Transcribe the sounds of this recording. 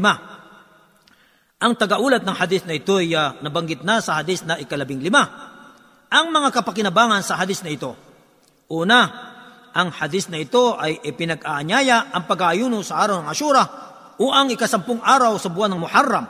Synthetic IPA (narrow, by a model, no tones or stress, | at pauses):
ma | ʔɐŋt̪ɐɡɐʔuːlɐt̪̚nɐŋhɐd̪ɪsnɐʔɪt̪o̞jnɐbɐŋɡɪt̪̚nasɐhɐd̪ɪsnɐʔɪkɐlɐbɪŋlɪma | ʔɐŋmɐŋakɐpɐkɪnɐbaːŋɐnsɐɦɐd̪ɪsnɐɪt̪o̞ | ʔuːna | ʔɐŋhɐd̪ɪsnɐɪt̪o̞ʔɐjʔɪpɪnɐɡʔaʔɐɲaːjaɐŋpɐɡaʔɐjuːnʊsɐʔaːɾɐwnɐŋʔɐʃuːɾɐ | ʔoʔɐŋɪkɐsɐmpʊŋʔaːɾɐwsɐbʊʔanɐŋmʊħarːɐm